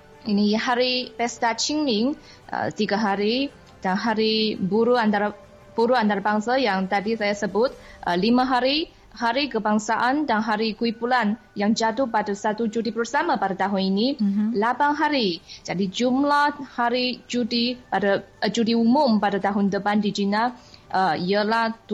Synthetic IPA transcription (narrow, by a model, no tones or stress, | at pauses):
iniɦaɾipɛst̪at͡ʃiŋlɪŋ | ə̰t̪iɡaɦaɾi | danɦaɾibuɾuant̪aɾa | b̥uɾuant̪aɾabaŋsajaŋt̪adisajasəbʊt̪̚ə̰limãɦaɾi | haɾikəbaŋsaʔandanɦaɾikuipulan | jaŋd͡ʒat̪ʊhpadasat̪ud͡ʒudipərsamapadat̪aɦʊninilabaŋɦaɾid͡ʒadid͡ʒumlahhaɾid͡ʒudipadad͡ʒudiumʊmpadat̪aɦʊndəbandid͡ʒinaəiəlaht̪